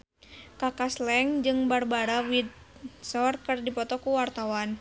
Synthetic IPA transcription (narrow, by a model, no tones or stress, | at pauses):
kakaslɛŋd͡ʒɨŋbarbaɾawid̪̚ | sɔrkɨrdipɔt̪ɔkuwart̪awan